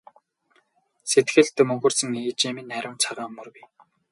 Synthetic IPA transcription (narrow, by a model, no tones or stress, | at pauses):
set̪ɡɘ̆ɮt̪ɘ̆mɵŋxɵ̆rsɘ̆ŋeːt͡ɕimĭnːæɾʲɪ̆mt͡sʰaʁaːmːɵ̆rpi